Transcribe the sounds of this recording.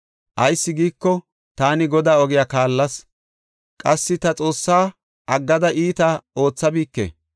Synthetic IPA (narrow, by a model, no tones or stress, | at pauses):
ʔɐjsːɪɡiːkːɔ | t̪aːnɪɡɔd̪aːɔɡɪjakaːlːɐs | kʼɐsːɪt̪ɐt͡sʼo̞ːsːaː | ʔɐɡːɐd̪ɐʔiːt̪ɐo̞ːt͡sːɐbiːkːḛ